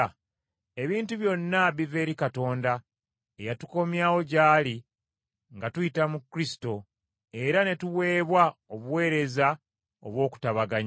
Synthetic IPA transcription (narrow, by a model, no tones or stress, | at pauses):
e̞βiːntuβjo̞nːaβive̞ːɾikato̞ːnda | ejatu̥ko̞mjaːwo̞ɟaːli | ŋɡatujitamukːɾisi̥to̞ | e̞ɾane̞tuwe̞ːβwaoβuwe̞ːɾe̞za | oβwo̞ːku̥taβaɡaɲ